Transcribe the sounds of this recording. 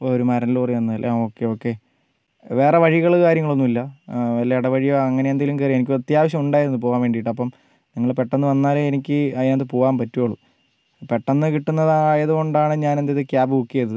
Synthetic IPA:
ooɾumɐɾɐnilpɐrɐjuɐnːlʔoːkːeoːkːe̞ | ʋe̞ːre̞ʋɐɻiɣɐɭkaːɾjɐŋːɐɭonːumilːɐʋɐlːeiɽɐʋɐɻijoɐŋːɐnejɐnd̪ilumkerjenikʲːrɐt̪jaːʋɐɕ̬ɐmuɳɖaːjɾunːɨp̬o̞ːʋaːnmʋe̞ːɳɖijiʈːɐpːɐm | niŋːɐɭpe̞ʈːɐnːɨʋɐnːaːleenikʲːɨɐɐnd̪ɨpoːʋaːmpɐtːujoːɭu | pe̞ʈːɐnːɨkiʈːunːɐðaːjɐðuko̞ɳɖaːɳɨɲaːnend̪eiðɨkʲjaːbɨkukːijɐðɐðɨ

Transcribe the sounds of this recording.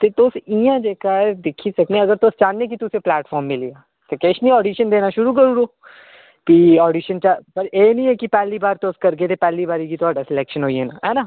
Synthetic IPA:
t̪eːt̪oːsijãːd͡ʒeːkad̪ɪkʰisəknẽəɡəɾt̪oːst͡ʃãːnẽːk̬it̪ʊsẽːplɛːʈfʰɔːɾmːɪliːaː | t̪ekeʃniːɔːɖiːʃənd̪eːnaːʃʊɾuːkəɾuːɾoː | piːɔːɖiːʃənt͡ʃapəɾeːnĩːɛkipɛːliːbaːɾt̪oskəɾɡeːt̪epɛːliːbaːɾiːkit̪ʊaːɖasɪlɛːkʃənɦoːieːna̰ɦɛːnaː

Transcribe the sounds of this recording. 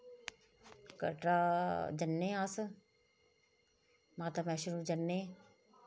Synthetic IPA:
kɐ̰ʈɾad͡ʒənːeãːs | maːt̪amɛːʃʊɾud͡ʒɐnːe

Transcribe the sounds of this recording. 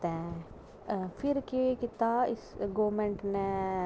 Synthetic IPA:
ɛ̃ː | pʰɪɾkiekɪt̪aːɪsɡoːmẽɳʈnɛ

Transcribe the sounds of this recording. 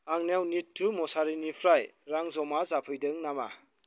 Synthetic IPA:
aŋnawnitʰːumɔsaɾinipʰɾajɾaŋzɔmazapʰɯjdɯŋnama̰

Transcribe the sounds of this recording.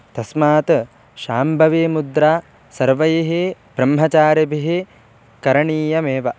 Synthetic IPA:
t̪ɐsmaːt̪ | ʃaːmbʱɐʋeːmud̪ɾaː | sɐɾʋɐjɐɦebɾɐmɦɐt͡ʃaːɾɐbʱiɦe | kɐɾɐɳiːjɐmeːʋɐ

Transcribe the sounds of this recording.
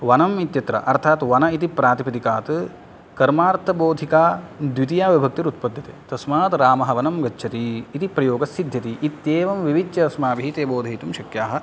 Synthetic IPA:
ʋɐnɐmit̪jɐt̪ɾɐ̰ʔɐɾt̪ʰaːt̪ʋɐnɐit̪ipɾaːt̪ipɐt̪ikaːt̪ | kɐɾmaːɾt̪ʰɐboːd̪ʱikaːd̪ʋit̪ijaːʋibʱɐk̚t̪iɾut̪̚pɐd̪ʱjɐt̪eːt̪ɐsmaːt̪ɾaːmɐɦɐʋɐnɐmɡɐt͡ʃːʃʰɐt̪iːt̪ipɾɐjoːɡɐsid̪ʱjɐt̪iʔːt̪jeːʋɐmʋiʋit͡ʃjɐɐsmaːbiɦit̪eːboːd̪ʱɐjit̪umʃɐkjaːɦɐ̆

